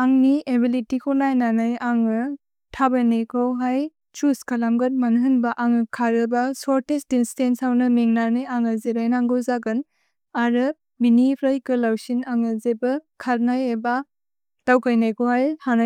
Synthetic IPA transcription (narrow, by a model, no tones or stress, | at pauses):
aŋniebilitikʰonajnanɯjaŋɯ | tʰabanijkʰawɦaj | t͡ʃuskalamɡɯt̚manɦɯnbaʔaŋɯkʰaɾɯbasɔɾtestinstensawnɐmeŋnanɯjaŋɯzeɾajnaŋɡozaɡɯn | aɾɯ | minipʰɾajkɯlawsinaŋɯzebɐkʰaɾnajeba | tawkajnajkohajhana